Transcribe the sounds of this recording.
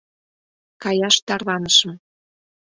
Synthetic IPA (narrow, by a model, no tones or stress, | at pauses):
kɑjɑʃt̪ɑrlɑnəʃə̆m